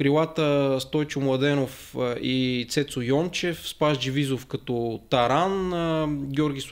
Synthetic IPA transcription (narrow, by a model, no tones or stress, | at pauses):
kɾilˠat̪əst̪ɔjt͡ʃʊmlˠɐd̪ɛnof | ʔit̪sɛt̪sʊjɔnt͡ʃɛfspaʒd͡ʒivizofkɐt̪ɔt̪ɐɾanəɡʲɔɾɡʲis